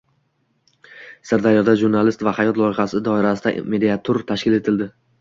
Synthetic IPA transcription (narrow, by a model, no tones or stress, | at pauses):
saɾd̪aɾjɒd̪aʒuɾnalɪst̪vahajɒt̪lˠɒɪχasɪd̪ɒɪɾas̬ɪd̪a̰me̞d̪iat̪ʰoɾt̪ʰaʃkʲɪle̞t̪ʰɪld̪ɪ